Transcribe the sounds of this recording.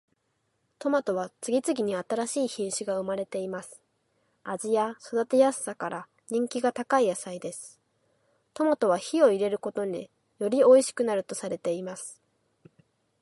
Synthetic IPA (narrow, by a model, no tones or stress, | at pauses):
t̪o̞mat̪o̞βat͡sɨɡʲit͡sɨɡʲiɲ̟iat̪aɾaɕiːçĩɰ̃ɕiɡaɯ̟maɾe̞t̪e̞imasɨ̥ | ad͡ʑijaso̞d̪at̪e̞jasːakaɾʔa | ɲ̟ĩŋkʲiɡat̪akaijasaid̪e̞sɨ̥ | t̪o̞mat̪o̞βaçio̞iɾe̞ɾɯ̟ko̞t̪o̞ɲ̟i | jo̞ɾʲio̞iɕi̥kɯ̟naɾɯ̟t̪osaɾe̞t̪e̞imasɨ̥